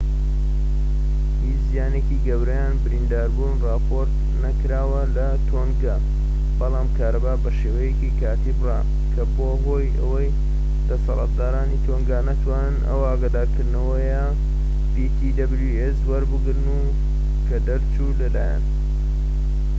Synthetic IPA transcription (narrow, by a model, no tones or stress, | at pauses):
hit͡ʃzijaːnekiɡɐwɾɐjaːnbɨɾind̪aːɾbuːnrɑːpʰoɾt̪ | nɐkɾaːwɐlɐt̪ʰoŋɡa | bɐlˠɑːmkʰaːɾɐbaːbɐʃewɐjekikʰaːt̪ibrɑ̰ | kʰɐboːɦojɐ̰wɐj | d̪̥ɐsɑ̰lɑ̰t̪̚d̪aːɾaːnit̪ʰoːŋɡanɐt̪ʰwaːnɨnʔɐ̰waaɡaːd̪aːɾkɨɾd̪nɐwɐjɐ | pit̪ʰid̪ɐbljueswɐɾbɨɡɾnu | kʰɐd̪ɐɾt͡ʃulɐla̰ːja̰n